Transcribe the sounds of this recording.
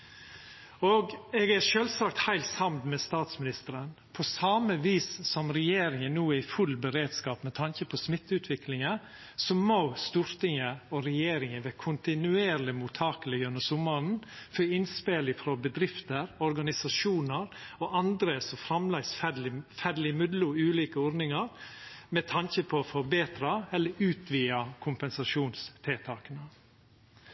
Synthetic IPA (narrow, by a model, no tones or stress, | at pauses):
oɡɛɡæʂøːlsɑːk̚t̪hæɪlt̪sɑmd̪mɛst̪ɑːt̪smɪnɪst̪əɾən | pʰɔsɑːməʋiːsːɔmɾɛjeːɾɪŋənnuːɪfʉlːbəɾeːd̪skɑːpmɛt̪ʰɑŋkəpʰɔsmɪt̪ːʉːt̪ʰʋɪklɪŋə | sɔmost̪ʉːɾt̪ɪŋəɔɾɛjeːɾɪŋəʋeːkʰʊnt̪ɪnʉeːɾlɪmʊt̪ʰɑːkələjœnəsʊmːɑɾn̩føːɪnspeːlɪfɾobəd̪ɾɪft̪əɾɔɾɡɑnɪsɑʂuːnəɾoʔɑnd̪ɾəsɔfɾɑmlɛɪsfæfæɖlɪmʉd̪lʊʉːliːkəɔɾnɪŋɑɾ | mɛt̪ʰɑnçəpʰɔfɔbeːt̪ɾɑɛlːəʉːt̪ʰʋiːɑkʰʊmpɛnsɑʂuːnst̪ʰeːt̪ʰɑːkənə